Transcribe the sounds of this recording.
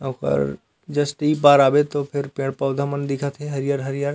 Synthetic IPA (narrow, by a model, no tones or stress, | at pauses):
õxə̰ɾ | d͡ʒɐsʈiip̬aːɾaːbet̪opʰɪɾpẽːɽpaːd̪ʱamənd̪ɪkʰat̪ʰeɦɐɾijaːɾɦɐɾijaːɾ